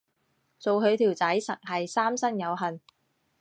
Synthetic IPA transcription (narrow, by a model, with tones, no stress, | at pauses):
t͡so˨wɦɵ˨˧ɥt̪ʰiː˨˩wt͡sɐ˨˥jsɐ˨˩k̚hɐ˨jsaː˥msɐ˥ŋjɐ˨˧wɦɐ˨n